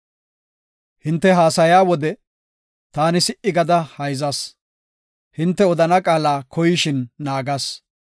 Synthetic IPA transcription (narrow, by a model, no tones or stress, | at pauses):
hɪnt̪ːɛɦaːsɐjaːwɔd̪ɛ | t̪aːnɪsɪʔɪɡɐd̪ɐhɐjzɐs | hɪnt̪ːɛɔd̪ɐnɐkʼaːlaːkɔjɪʃɪnːaːɡɐs